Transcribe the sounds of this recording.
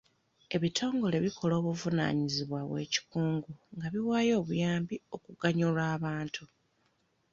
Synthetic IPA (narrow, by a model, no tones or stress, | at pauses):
e̞βitʰo̞ːŋɡo̞le̞βikʰo̞lo̞ːβuvuna̰ːɲiziβwaβwe̞̰ːci̥kuːŋɡuŋɡaβiwaːjo̞ːβujaːmbio̞kuɡaɲulaːβaːntʰu